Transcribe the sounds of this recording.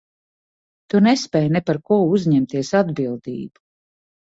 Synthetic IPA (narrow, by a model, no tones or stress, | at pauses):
t̪unɛspɛːjnɛpaɾkuɔuzʲɲɛmt̪iɛsad̪bilˠd̪ḭːbu̥